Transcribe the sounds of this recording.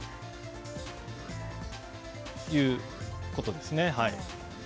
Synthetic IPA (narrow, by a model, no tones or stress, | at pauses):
jɯ̟ː | ko̞t̪o̞d̪e̞sɨne̞hai